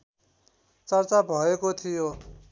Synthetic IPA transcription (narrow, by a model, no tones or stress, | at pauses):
t͡sʌrt͡sabʱʌekot̪ʰijo